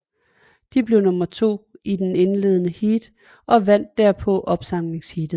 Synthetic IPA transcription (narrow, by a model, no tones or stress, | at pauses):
d̥ib̥le̝ʊnɔ̽mɐt͡sʰo̝̰ːid̥ene̝nle̝ːðˠənəhiːd̥ | ʔɒ̽ʋæn̰d̥ːæɐpʰɒ̽ʔɒ̽b̥sɑ̈m̰le̝ŋshiːd̥ð̩ˠ